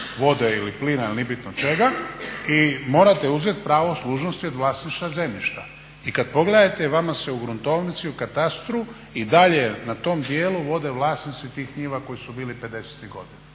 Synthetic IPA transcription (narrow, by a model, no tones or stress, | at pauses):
ʋo̞d̪eiliplinalnibit̪not͡ʃe̞ɡaimo̞ːɾat̪e̞uzet̪pɾaːʋoslˠuːʒnost̪io̞d̪ʋlaːsniʃt̪aze̞miʃt̪a | ikad̪po̞ɡle̞d̪at̪eʋamaseuɡɾunt̪o̞ːʋnit̪siukat̪ast̪ɾu | id̪aʎenat̪o̞ːmd̪jeːluʋo̞d̪eʋlˠaːsnit̪sit̪iːxkɲiːʋako̞jisubiːlipe̞d̪e̞se̥t̪iɣɡo̞d̪ina